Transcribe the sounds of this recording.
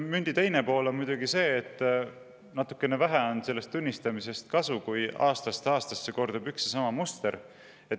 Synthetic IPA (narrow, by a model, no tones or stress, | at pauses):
mynʲd̪̥it̪e̞jnepo̞ːlo̞nmujd̪uɡ̥ise̞ːt̪ːˑ | nɑt̪ːˑukːe̞nevæɦɛo̞nse̞lːe̞st̪ːunʲːist̪ɑmise̞st̪̚kɑsukujɑ̰ːst̪ɑst̪eɑːst̪ɑsːe̞ko̞rd̪̥ubyksesɑmɑmust̪e̞ɾ | e̞t̪